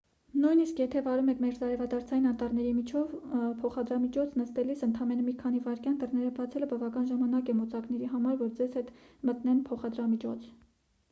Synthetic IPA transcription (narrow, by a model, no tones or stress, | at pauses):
nujniskjɛt̪ʰɛvɑɾumɛkʰmɛɾzɑɾɛvɑd̪ɑɾt͡sʰɑjinɑnt̪ɑrnɛɾimit͡ʃʰɔvpʰɔχɑd̪ɾɑmit͡ʃʰɔt͡sʰnəst̪ɛlisənt̪ʰɑmɛnəmikʰɑnivɑɾkjɑnd̪ərnɛɾəbɑt͡sʰɛləbɑvɑkɑnʒɑmɑnɑkɛmɔt͡sɑknɛɾiɦɑmɑɾvɔɾd͡zɛz̥hɛt̪mət̪nɛnpʰɔχɑd̪ɾɑmit͡ʃʰɔ̰t͡sʰ